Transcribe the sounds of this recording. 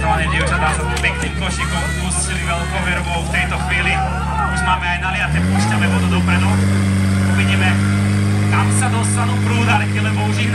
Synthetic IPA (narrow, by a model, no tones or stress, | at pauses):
aɲɛbiɔʒad̪aːsab̪ɔpɛkniːkɔʃikɔnust͡ʃiliʋɛlkɔʋɛɾbɔʊft̪ɛjt̪ɔxʋiːli | uʒmaːmɛajnalɪat̪ɛpuːʃcanɛʋɔd̪ɔd̪ɔpɾɛnɔ | ɔbiɲɛmɛ | k̪amsad̪ɔst̪anuːpɾuːd̪alɛɛlɛbɔuʒiː